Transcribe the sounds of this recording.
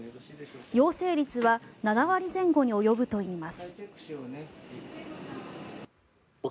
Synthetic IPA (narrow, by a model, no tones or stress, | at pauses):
jo̞ːse̞ːɾʲit͡sɨβananaβaɾʲizẽ̞ŋɡo̞ɲ̟io̞jo̞bɯ̟t̪o̞iːmasɨ̥